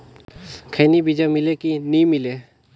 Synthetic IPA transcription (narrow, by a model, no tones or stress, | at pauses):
kʰəjnibid͡ʒamɪlekinimɪle